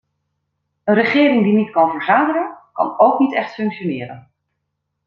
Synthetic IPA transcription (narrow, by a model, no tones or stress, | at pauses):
ənrəχɪːɾɪŋdinitkɑnvəɹzaːdərənkɑ̰nowknitɛχtfɵŋkʃonɪːɾə̰n